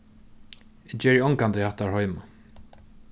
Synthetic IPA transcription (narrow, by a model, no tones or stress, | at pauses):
ɪd͡ʒɛːɹiɔŋkant̪ɪhaht̪aɹhɔjma